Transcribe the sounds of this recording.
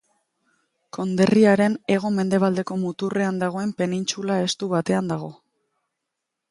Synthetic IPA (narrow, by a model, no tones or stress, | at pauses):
ko̞nd̪e̞riaɾe̞ne̞ɣ̞o̞me̞nd̪e̞β̞ald̪e̞ko̞mut̪ure̞and̪aɣ̞o̞e̞mpe̞nint͡ʃulae̞st̪uβat̪e̞and̪aɣ̞o̞